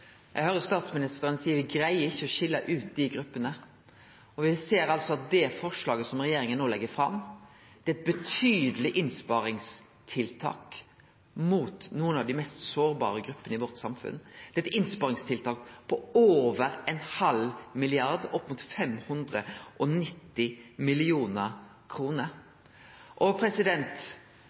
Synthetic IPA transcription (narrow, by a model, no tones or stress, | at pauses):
jʔɛɡhøːɾəst̪ɑːt̪smɪnɪst̪əɾənsiːəɾʋɪɡɾæɪəɾɪçːəɔɕɪlːəʔʉːt̪̚d̪ɪɡɾʉpːənə | ɔʋɪseːɾɑlsɔɑt̪̚d̪ɛfɔʁʂɭɑːɡəsɔmʁɛjeːɾɪŋənːoːlɛɡːəfɾɑ̰m | d̪̥ɛɛt̪̚bɛt̪ʰyːd̪əlɪʔɪnspɑɾɪŋs | t̪ʰɪlt̪ʰɑ̰ːk | muːt̪nuːənɑʋd̪ɪmɛst̪soːɾbɑ̰ːɾəɡɾʉpːənəɪʋɔʁt̪sɑmfʉ̰nd̪̥ɛɛt̪ɪnspɑːʁɪŋst̪ʰɪlt̪ʰɑːk̚pʰɔoːʋəɾɛnhɑlmɪlɪɑɾd̪ɔpːmʊt̪fɛmhʉnd̪ʁəʔɔnɪt̪ːɪmɪlɪuːnəɾ | kʰɾuːnəɾ | ʔɔpʰɾɛsɪd̪ɛnt̪